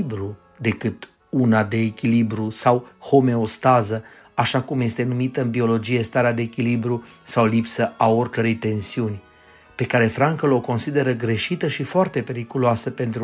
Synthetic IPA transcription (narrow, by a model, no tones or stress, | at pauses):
bɾu | d̪e̞kɨt̪ | unad̪e̞ːkʲilibɾusawho̞me̞o̞st̪azə | aʃakumje̞st̪e̞numit̪əɨnbio̞lo̞d͡ʒije̞st̪aɾead̪e̞ːkʲilibɾusawlipsəʔao̞rʲkəɾejt̪e̞nsiunʲ | pe̞kaɾe̞fɾaŋkəlo̞ko̞nsid̪e̞ɾəɡɾe̞ʃit̪əʃifoart̪e̞pe̞ɾikuluasəpe̞nt̪ɾ